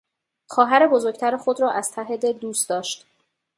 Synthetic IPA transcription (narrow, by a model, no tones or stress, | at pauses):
xɒːɦæɾebozoɾc̚t̪ʰæɾexod̪ɾɒːʔæz̥t̪ʰæɦed̪ed̪uːst̪d̪ɒːʃt̪